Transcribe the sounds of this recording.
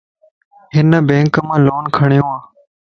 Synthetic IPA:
ɦɪnəbẽːŋkmãːloːnkʰəɳijõːãː

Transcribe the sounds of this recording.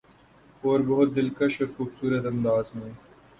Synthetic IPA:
oːɾbɐɦʊt̪̚d̪ɪlkɐʃɔːɾxuːbsuːɾət̪ɐ̃nd̪aːzmẽː

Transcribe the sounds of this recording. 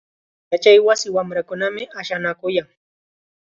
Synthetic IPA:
jat͡ʃajwasɪwamɾakʊnamɪʔaʃanakʊjaŋ

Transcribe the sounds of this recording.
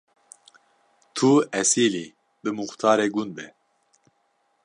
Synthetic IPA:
t̪ʰuɛsiːliː | bɨmuxt̪ʰɑːɾeːɡunbɛ

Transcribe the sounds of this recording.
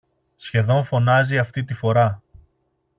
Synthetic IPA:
sçe̞ðo̞ɱfo̞nɐziɐft̪it̪ifo̞ɾɐ

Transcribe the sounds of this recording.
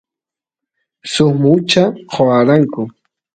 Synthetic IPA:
sʊmʊt͡ʃaqʰoaɾaŋkʊ

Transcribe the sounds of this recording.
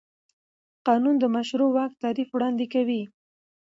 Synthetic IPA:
qɑnund̪əmaʃɾowɑk̚t̪ɑɾifwɽɑnd̪ekawi

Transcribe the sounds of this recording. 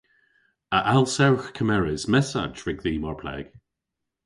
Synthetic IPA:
əʔalˠsɛwxkʰəmɛɹɪzmɛsa̰d͡ʒɹɪɡðiːmɔɹpʰlɛ̰ɡ̥

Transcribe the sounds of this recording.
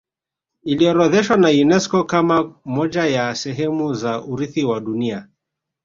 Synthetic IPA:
iliɔɾɔðɛʃwanajunɛskɔkamamɔʄajasɛɦɛmuzaʔuɾiθiwaɗunia

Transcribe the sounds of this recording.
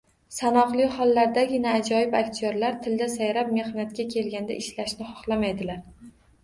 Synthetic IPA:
sanɒqlˠɪhɒlˠːaɾd̪aɡʲɪnaːd͡ʒɒjɪbakʲt̪ʰioɾlaɾt̪ʰɪld̪asajɾap̚me̞hnat̪̚kʲakʲʰe̞lɡʲand̪a̰ʔɪʃlaʃnɪχɒχlˠamajd̪ɪlaɾ

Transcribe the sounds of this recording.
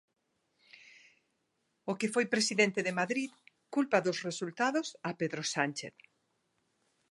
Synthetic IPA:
okefojpɾesiðent̪eðemaðɾið | kulpɐðʊsresult̪aðʊsapeðɾosant͡ʃḛθ

